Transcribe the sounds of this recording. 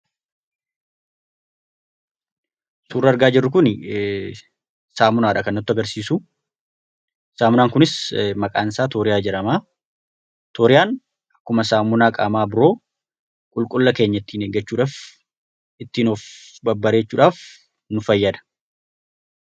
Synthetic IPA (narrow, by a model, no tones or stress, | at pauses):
suːrːɐɐɾɡaːd͡ʒɪrːʊk̬ʊn | saːmʊnaːᶑɐkɐnːɐt̪ːʊɐɡɐɾsiːsʊ | saːmʊnaːŋkʊnɪsmɐkʼaːnsaːt̪oːɾɪjaːd͡ʒɛɾɐmaː | t̪ʰoːɾɪjaːn | ɐkːʊmɐsaːmʊnaːkʼa̰ːmaːbɪɾo̞ː | kʼʊlkʼʊlːɐke̞ːɲːɐt̪ːiːneːɡːɐt͡ʃːuːᶑaːf | ɪt̪ːiːnoːfbɐbːɐɾe̞ːt͡ʃːuːᶑaːf | nʊfɐjːɐd̪ɐ̥